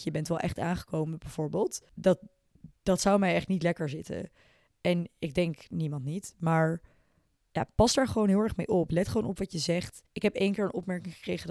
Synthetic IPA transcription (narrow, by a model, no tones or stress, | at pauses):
jəbɛntʋɛlˠʔɛχtaːnχə̥kowməbɛjv̥ʊːɹbɪːlˠtdɑt̚ | d̥ɑtsawmɛjɛχtnitlɛkəɹzɪtə̰ | ɛnɪɡ̚dɛŋknimɑntnitmaːɹ | ja̰ːpɑstdaːɹχəʋownɦɪlˠɛɹχmejʔɔplɛtχəʋownɔpʋɑtjəzɛχt | ɪkɦɛpejnkɪːɹənɔpmɛɹkɪŋχəkrejχəd